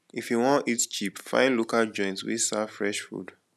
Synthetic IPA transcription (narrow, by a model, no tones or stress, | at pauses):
ifjuwɔ̃ntitt͡ʃipfã̰ɪ̃nlokald͡ʒɔ̃ɪ̃ntwḭsafɹɛʃfṵd